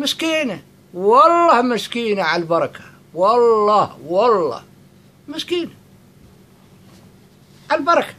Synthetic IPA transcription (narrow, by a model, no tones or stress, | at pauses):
mɪskiːna | wɑlˤːɑːhmɪskiːnaʕalbɑɾˤɑkḁ | wɑlːɑːhwɑlˤːɑ̰ːh | mɪskiːna | ʕalbɑɾˤɑkḁ